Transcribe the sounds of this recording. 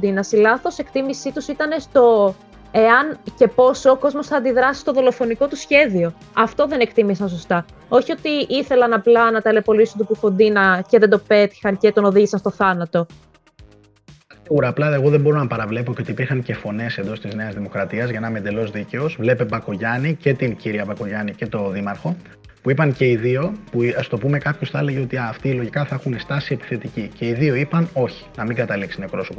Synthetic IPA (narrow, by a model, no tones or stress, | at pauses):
d̪inɐsilɐθo̞se̞kt̪imisit̪usit̪ɐne̞st̪o̞ | eɐnce̞po̞soːko̞zmo̞sθɐːnd̪iðɾɐsi̥st̪o̞ðo̞lo̞fo̞niko̞t̪usçe̞ðio̞ | ɐft̪o̞ðe̞nekt̪imisɐnso̞st̪ɐ | o̞çio̞t̪iʔiθe̞lɐnɐplɐnɐt̪ɐle̞po̞lisunt̪upufo̞nd̪inɐceðed̪o̞pe̞t̪i̥xɐnce̞t̪o̞no̞ðiʝisɐnst̪o̞θɐnɐt̪o̞ | siɣuɾɐːplɐeɣo̞ðembo̞ɾonɐpɐɾɐvle̞po̞ceo̞t̪ipiɾxɐŋce̞fo̞ne̞send̪o̞st̪izne̞ɐzðimo̞kɾɐt̪iɐzʝɐnɐmend̪e̞lo̞zðice̞ozvle̞pe̞bɐkoʝɐnice̞t̪inciɾiɐbɐko̞ʝɐnice̞t̪o̞ðimɐɾxo̞ | puipɐnce̞iðio̞puɐst̪o̞pume̞kɐpçosθele̞ʝeo̞t̪iɐːft̪ilo̞ʝikɐθɐexunest̪ɐsie̞pi̥θe̞t̪icice̞iðio̞ipɐno̞çi̥nɐmiŋɡɐt̪ɐliksinekpɾo̞so̞po